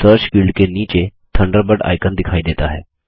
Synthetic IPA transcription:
səɾɕkiɭkenit͡ɕet̪ʰəɳɖəɾbəɽa̰jkənd̪ikʰajd̪et̪aɦe

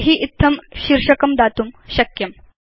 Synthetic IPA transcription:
ɦiːʔit̪ʰːɐmɕiɾʂɐkɐmd̪at̪umɕɐkjɐm

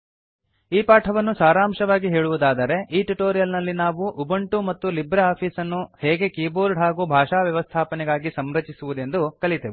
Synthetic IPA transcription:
iːpaːʈʰɐʋɐnːusaːɾaːmʂɐʋaːɡiɦeːɭuʋud̪aːd̪ɐɾe̞ʔiːʈuʈoːɾijɐlnɐlːinaːʋuʔubɐɳʈumɐt̪ːulibɾeaːpʰiːsɐnːuhɛːɡe̞kiːboːɾɖɦaːɡuːbʱaːʂaːʋjɐʋɐst̪ʰaːpɐnɛɡaːɡisɐmɾɐt͡ʃisuʋud̪e̞nd̪ukɐɭit̪eːʋi

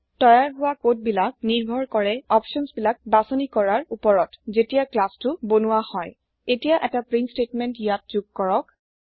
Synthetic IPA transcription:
tɔjaɹɦʊwakot̚bilak̚niɹbʱɔɹkɔɹɛɔpʃɔnsbilak̚basɔnikɔɹaɹupɔɹɔtzetijaklastʊbonuwahɔj | etijaʔɛtapɹinstetmɛntjat̚zuɡ̚kɔɹɔk̚

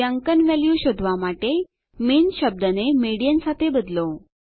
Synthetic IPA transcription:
aŋkənʋɛljuɕod̪ʱʋamaʈe | miːnɕəb̚d̪ənemeɽijənsat̪ʰebəd̪lo

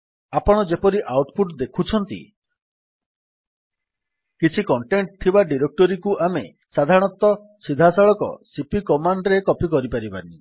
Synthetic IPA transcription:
apɔɽ̃ɔd͡ʒepɔɾiʔawʈpʰuʈd̪ekʰut͡ʃʰɔnt̪ḭ | kit͡ʃʰikɔɳʈeɳʈ̚t̪ʰibaɖiɾek̚ʈɔɾikuʔame | sad̪ʱaɔɽ̃ɔt̪ɔ | sid̪ʱasaɭɔkɔ̰sipikɔmaɳɖɾekɔpikɔɾipaɾiba̰ni

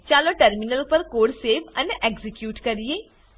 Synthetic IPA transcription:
t͡ʃaːloʈɐɾminəlpɐɾkoːɽseːʋɐnʔeːɡzikjuːʈkɐɾijeː

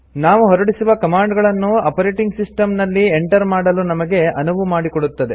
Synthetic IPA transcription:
naːʋuɦɔɾɐɽisuʋɐkɐmaːɳɖɡɐɭɐnːuɐpɐɾeːʈiŋɡsisʈɐmnɐlːieɳʈɐɾmaːɽɐlunɐmɐɡe̞ɐnuʋumaːɽikoɽut̪ːɐd̪e̞

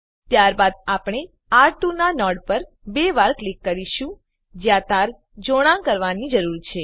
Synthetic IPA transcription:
t̪jaɾbad̪̚apɽ̃e | aɾʈunanɔɽpəɾbeʋaɾklikːəɾiʃũ | d͡ʒjat̪aɾ | d͡ʒoɽ̃ãkəɾʋanid͡ʒəɾuɾt͡ʃʰe

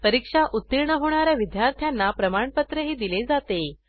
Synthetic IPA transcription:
pəɾikʂaʔut̪ːiɾɳəɦoɽ̃aɾjaʋid̪jaɾt̪ʰjanːapɾəmaɳpət̪ɾəɦiːd̪iled͡zat̪e

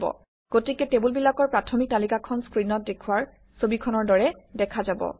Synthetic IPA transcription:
bɔ̰ | ɡ̥otikɛtebulbilakɔɹpɹatʰɔmik̚talikakʰɔnskɹinɔt̚dekʰuwaɹ | sobikʰɔnɔɹdɔɹɛdɛkʰazabɔ̰

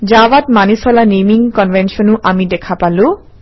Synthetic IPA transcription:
d͡ʒawatmanisɔlanemiŋkɔnvʱɛnsɔnʊʔamidɛkʰapalʊ̃

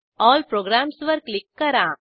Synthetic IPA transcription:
ɔːlpɾoːɡɾãːmsʋɐɾklɪkːɐɾãː

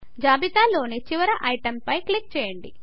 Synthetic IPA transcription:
d͡ʒaːbit̪aːlo̞ːnit͡ʃiʋɐɾɐʔɐjʈɐmpɐjklik̚t͡ʃɛːjɐɳɖḭ

